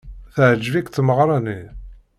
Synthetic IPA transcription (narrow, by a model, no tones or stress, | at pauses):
θəʕd͡ʒvikθməʁɾˤɑni